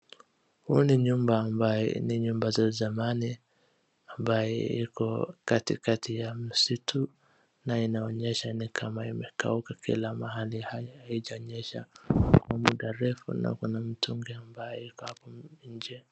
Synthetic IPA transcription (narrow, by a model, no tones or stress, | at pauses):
huniɲumbaːmbajɛ̰niɲumbazazamani | ambajɛ̰ikɔkatikatʰijam̩sitʰu | nainaɔɲɛʃanikʰamaimɛka̰ukakʰḭlamaɦalihajhaiʄaɔɲɛʃa̰kwamuɗaɾɛfṵna̰kunam̩tuŋɡɛambajɛikɔhapɔɲ̩d͡ʒɛ